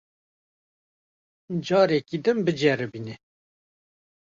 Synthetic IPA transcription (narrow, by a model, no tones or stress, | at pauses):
d͡ʒɑːɾɛkid̪ɨmbɨd͡ʒɛɾɨbinɛ